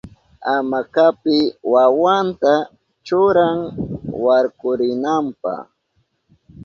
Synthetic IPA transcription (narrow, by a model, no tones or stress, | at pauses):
amakapɪwawant̪a | t͡ʃʊɾaŋwaɾkʊɾɪnampa̰χ